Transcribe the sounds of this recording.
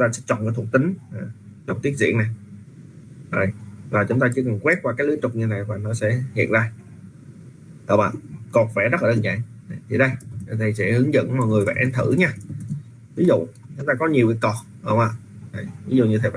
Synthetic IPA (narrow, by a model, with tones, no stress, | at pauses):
ŋ͡mt̪aː˧sɛ̰˧˥t͡ɕɔ̰˧˨na˧˨˦t̪̚ʰt̪ï˨˦ŋ̟aː˨˩t͡ɕɔ˨˩ŋ͡mt̪i˦˥ət̚zḭ˧˨əna˨˩j | zo˨˩jvaː˨˩t͡ɕʊ˨˦ŋ͡mt̪aː˧t͡ɕɨ˧˥əkə˨˩ŋkwɛ˦˥p̚kwaː˧kaː˨˦jlɨ˨˦tt͡ɕʊ˨˩k͡p̚ɲɨ˧na˨˩jvaː˨˩nɔ˨˦sɛ̰˧˥hḭ˧˨ənzaː˧ | ʔə̰˧˩wʔa̰ː˨ʔkɔ˨˩k̚fa˧˩zə˦˥t̚laː˨˩ɗəː˧nza̰ː˧˨ŋ˨ | t̪ʰi˨˩ɗə˧jə˧˩t̪ʰi˨˩sɛ̰˧˥hɨ˨˦əŋzə̰˧˥˨nmɔ˨˩jŋɨ˨˩əjva̰ː˧˩ʔɛ˧˦nt̪ʰɨ˧˩ɲaː˧ | vi˨˦zṵ˧˨ | t͡ɕʊ˨˦ŋ͡mt̪aː˧kɔ˨˦ɲi˨˩əwki˨˩˦kɔ˨˩t̚ʔə˧˩wʔaː˨˩a˨˩jvi˨˦zṵ˧˨ɲɨ˧t̪ʰi˨˩f